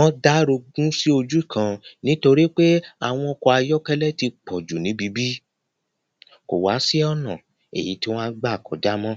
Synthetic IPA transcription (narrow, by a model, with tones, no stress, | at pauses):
ɔ̃˦da˦ɾo˧ɡũ˦si˦o˧d͡ʒu˦i˦˨kã˧nĩ˨˦to˧ɾi˦k͡pe˦a˨w̃ɔ̃˧ɔ˧kɔ˧a˧jɔ˦kɛ˦lɛ˦ti˧k͡pʰɔ˨d͡ʒu˨nĩ˨˦bi˨˧˦bi˦ | ko̰˨wa˨˦si˦ɔ˦nã˨ | ḛ˨ji˨˦ti˦w̃ɔ̃˦a˦ɡ͡ba˦˨kɔ˨˦d͡ʒa˦mɔ̃˦